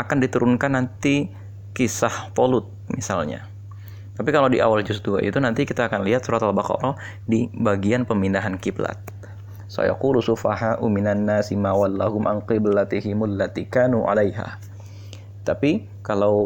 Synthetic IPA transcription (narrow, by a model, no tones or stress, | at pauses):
ʔakandit̪uɾʊnkanːant̪i | kisahfolʊt̪̚misalɲa̰ | t̪apikalawdiʔa̰wald͡ʒʊs̬d̪ua̰ʔḭt̪unant̪ikit̪aːkanliɦat̪suɾat̪albaqɑ̰ɾɔ | dibaɡianpəmindaɦankibla̰t̪̚ | sa̰ja̰qulusʊfa̰haʔumɪnanːasimawalːahʊmʔa̰nqɪblat̪ɪɦɪmʊlːat̪ikaːnuʕa̰lajɦa̰ | t̪api | kalaw